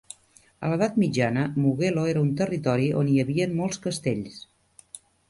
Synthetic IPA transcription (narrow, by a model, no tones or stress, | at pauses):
ə̰ləðat̪mid͡ʒanəmuɣeloeɾəunt̪ərit̪ɔɾiʔo̰niəβiənmolˠskəst̪eʎs